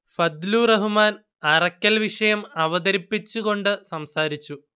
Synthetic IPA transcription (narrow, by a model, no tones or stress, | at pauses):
fɐd̪luːrɐɦumaːn | ɐrɐkʲːɐlʋiʂɐjɐmɐʋɐðɐɾipːit͡ɕːuɣo̞ɳɖɨsɐmsaːɾit͡ɕːu